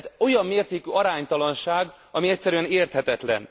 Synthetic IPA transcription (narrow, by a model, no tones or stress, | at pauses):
t̪o̞jɒmːeːrt̪eːkyːɒɾaːɲt̪ɒlɒnʃaːɡ | ɒmiɛc̪̚ʲsːɛɾyɛneːrt̪hɛt̪ɛt̪lɛ̰n